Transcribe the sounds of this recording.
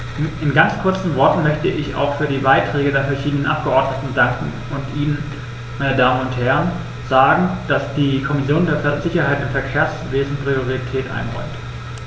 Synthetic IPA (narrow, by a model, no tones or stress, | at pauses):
ʔɪnɡant͡skʰʊɐt͡sn̩vɔɐtn̩mœçtəʔɪça̰ʊxfyːɐdiːbaɪtʁ̥ɛːɡədeːɐfɛɐʃiːdənənʔa̰p̚ɡ̥əʔɔɐdnətn̩daŋkŋ̩ | ʊntʔiːnən | maɪnədaːmənʊnthɛɐən | z̥aːɡŋ̩d̥asd̥iːkʰɔmɪsjoːndeːɐfɛzɪçɐhaɪtɪnfɛɐkʰeːɐsveːzn̩pʁ̥ioʁitʰɛːtʔa̰ɪnʁɔ̰ʏmt